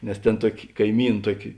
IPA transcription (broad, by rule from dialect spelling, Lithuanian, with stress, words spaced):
nʲɛs tʲeːn ˈtuɔkʲɪ kɐɪˈmʲiːn ˈtuɔkʲɪ